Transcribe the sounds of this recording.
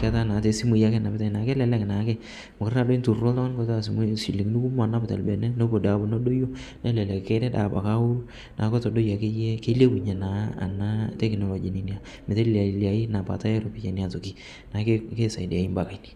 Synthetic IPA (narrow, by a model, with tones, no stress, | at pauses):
ka˦ta˦na˨te˨si˦mu˨ja˦kɛ˦na˨bɪ˦ta˨na˨kɛ˦lɛ˨lɛ˦kna˨˦kɛ˦ | mʊ˨kɪɾna˨do˦i˦ntu˨o˦ltɔ˦a˦n˦kɔ˦ta˦si˨m˦si˨li˨ŋnu˦ku˦m˦a˨na˦bɪ˨ta̰˨lbɛ˨nɛ˦no˦bo˨da˨˦bo˨no˦do˦jo˦nɛ˦lɛ˨lɛ˨kke˦ɾɛ˦da̰˨ba̰˨ka˦u˦ɾ | nʔa˨˦kɔ˦tɔ˨do˦ja˨ke˦jɛ˦ke˦le˦ku˨ɲe˨na˨˦a̰˨na˦tɛ˦knɔ˨lo˨d͡ʒi˨ni˨nja˨ | mɪ˨te˦la˨li˨a˨i˦na˨pa̰˨ta˦jɛ˦ɾo˨˦pi˨˦t͡ʃa˨ni˦a˨to˨ki˦ | na˨˦ke˦ke˦sa˨di˨a˨i˦mba˨ka˨˦ni̥˨